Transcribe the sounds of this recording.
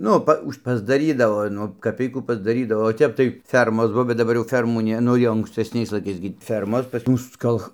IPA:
ˈnʊ pɐ ˈʊʃʲ ˈpɑːzdɐˈrʲiːdɐʋoː ˈnʊ kɐˈpʲɛɪkuː ˈpɑːzdɐrʲiːdɐʋoː oː ˈtʲɛp tɐɪ ˈfʲɛrmoːs ˈbuɔ bʲɛt dɐˈbɐr jɛʊ ˈfʲɛrmuː ˈnʲɛ ˈnʊ jɛʊ ɐŋksʲtʲɛsʲˈnʲɛɪs lˠɐɪˈkɐɪs ɡʲɪ ˈfʲɛrmoːs pɐs ˈmʊs ˈkɐlˠx

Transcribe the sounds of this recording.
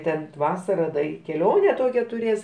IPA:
ˈtʲɛn ˈtʋɑːsɐrɐ dɐ ɪ kʲɛˈlʲoːnʲɛ ˈtoːkʲæː tʊˈrʲeːs

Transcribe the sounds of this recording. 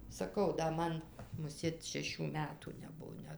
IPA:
sɐˈkɐʊ dɐ ˈmɐn mʊˈsʲeːt ʃʲɛˈʃʲuː ˈmʲæːtuː nʲɛˈbuɔ ˈnʲɛt

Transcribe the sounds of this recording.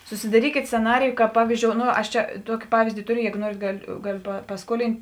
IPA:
sʊsʲɪdɐˈrʲiːkʲeːt sʲt͡sʲɛˈnɑːrʲɪjʊ kɑːp ˈpɑːʋʲiːzʲˌd͡ʒʲoːʊ ˈnoː ˈɐʃ ˈt͡ʃʲɛ ˈtuɔkʲɪ ˈpɑːʋʲiːzʲdʲɪ ˈtoːˌrʲʊ ˈjæːɡoː ˈnuɔrʲeːt ˈɡɑːˌlʲʊ ˈɡɑːˌlʲʊ pɐ pɐˈskuɔlʲɪnʲtʲ

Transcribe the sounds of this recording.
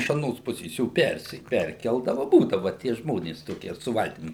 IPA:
ɪʃ ɐˈnoːs ˈpʊsʲeːs ˈjoː ˈpʲɛrʲsʲɪ ˈpʲɛrʲkʲɛlˠdɐʋɐ ˈbuːdɐʋɐ tʲiɛ ˈʒmoːnʲeːs ˈtoːkʲiɛ sʊ ˈʋɐlʲtʲɪm

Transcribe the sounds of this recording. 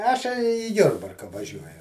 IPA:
ˈɑːʃʲɛɪ iː ˈjʊrbɐrkɐ ʋɐˈʒʲuɔjʊ

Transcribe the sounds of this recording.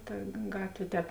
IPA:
toːj ˈɡɑːtʲʋʲeː ˈtʲɛːp

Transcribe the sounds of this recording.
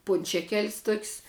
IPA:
ˈpʊnʲt͡ʃʲɛkʲɛlʲsʲ toːkʲsʲ

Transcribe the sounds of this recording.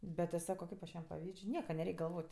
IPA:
ˈbʲɛt tʲɪ ˈsɑːkoː ˈkɐɪp ɐʃ ˈjiɛm pɐˈʋʲiːt͡ʃʲ ˈnʲiɛkɐ nʲɛˈrʲɛɪkʲ ɡɐlˠˈʋoːtʲ

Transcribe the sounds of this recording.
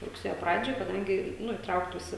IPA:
rʊkˈsʲeːjoː ˈprɑːd͡ʒʲoːj kɐˈdɐŋʲɡʲɪ ˈnʊ iːˈtrɐʊktuːsʲɪ

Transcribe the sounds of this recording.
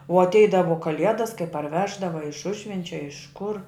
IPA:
ʊ ɐtʲˈɛɪdɐʋoː kɐˈlʲiɛdɐs kɐɪ pɐrʲˈʋʲæːʒdɐʋɐ ɐ ɪʃ ˈʊʒʲʋʲɛnʲt͡ʃʲɛ ɐ ɪʃ kʊr

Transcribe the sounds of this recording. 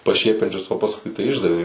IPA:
pɐˈʃʲiɛpʲɛnʲt͡ʃʲʊs oː pɐsˈkʊɪ tɐɪ ˈɪʒdɐʋʲeː

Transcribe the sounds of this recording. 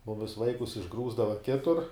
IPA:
ˈmʊmʲɪs ˈʋɐɪkʊs ɪʒˈɡruːzdɐʋɐ ˈkʲɪtʊr

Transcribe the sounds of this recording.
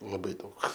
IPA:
lˠɐˈbɐɪ ˈdɐʊk

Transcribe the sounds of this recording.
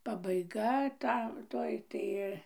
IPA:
pɐbɐɪˈɡɐ ˈtɐ ˈtoːj tɐɪ

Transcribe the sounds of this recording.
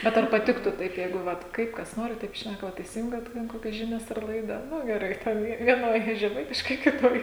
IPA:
ˈbʲɛt ɐr pɐˈtʲɪktuː ˈtɐɪp ˈjɛɪɡʊ ˈʋɐt ˈkɐɪp kɐs ˈnoːrʲɪ ˈtɐɪp ˈʃʲnʲækɐ ˈʋɐ ɪsʲɪˈjʊŋʲɡʲɛt ˈtʲɛn ˈkoːkʲɛs ˈʒʲɪnʲɛs ɐr ˈlˠɐɪdɐ ˈnʊ ɡʲɛˈrɐɪ tʲɛn ˈjiɛ ʋʲiɛˈnoːj ʒʲɛˈmɐɪtʲɪʃkɐɪ kʲɪˈtoːj

